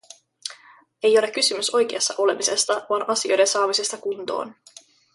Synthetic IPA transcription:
e̞jo̞le̞k̟ːysymyso̞jk̟eɑsːɑʔo̞le̞mise̞st̪ɑʋɑːnʔɑsio̞jde̞nsɑːʋise̞st̪ɑkunt̪o̰ːn

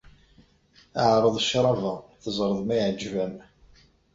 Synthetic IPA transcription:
aʕɾˤəðˤʃɾˤɑvæθəzˤɾˤəðˤmæjʕəd͡ʒːvæm

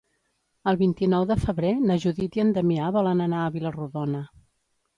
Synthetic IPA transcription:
əlˠβint̪inɔwðəfəβɾenəʒuðit̪iənd̪əmiaβɔlənənaəβiləruðɔnə

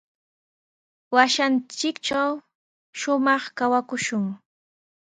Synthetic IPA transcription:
waʃant͡ʃɪkt͡ʃaw | ʃʊmɑχkawakʊʃʊŋ

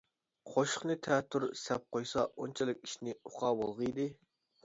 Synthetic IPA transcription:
qʰoʃʊ̥χnɨt̪ʰɛt̪ʰːuɾsɛp̚qʰojsɑont͡ʃʰɛlˠɪkʲi̥ʃnɪuqʰɑːbolˠʁəid̪ɪ

